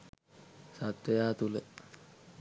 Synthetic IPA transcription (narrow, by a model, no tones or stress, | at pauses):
sat̪ɾejaːt̪ulə